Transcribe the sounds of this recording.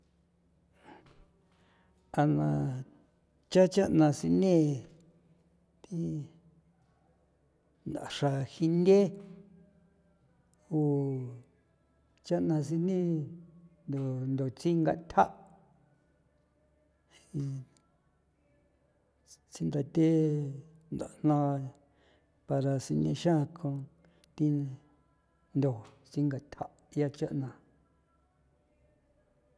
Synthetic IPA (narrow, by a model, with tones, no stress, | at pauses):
a˧nã˧ | t͡ʃa˦t͡ʃa˦nã˧si˧nẽ˦ | t̪i˦ | nd̪a̰˨ʂa˧hi˧nd̪ʲe˦ | o˧˨ | t͡ʃa˦nã˧s̬i˧nẽ˦ | nd̪o˨nd̪o˨t͡si˦ŋɡa̰˧t̪ʲʰa˦ʔ | i˧ | t͡si˧nd̪a˧t̪e˦ | nd̪a̰˨n̥nã˧ | pa˧ɾa˧si˧nḭ̃˧ʃã˦˧kʰõ˧ | t̪i˧ | nd̪o˨ | t͡si˧ŋɡa˨t̪ʲʰa˦ʔ | ja˦t͡ʃa˦ʔnã˧